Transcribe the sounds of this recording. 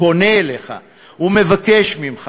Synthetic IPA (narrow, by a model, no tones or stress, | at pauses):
o̞neːleχa̰ | ume̞vakeʃmimχ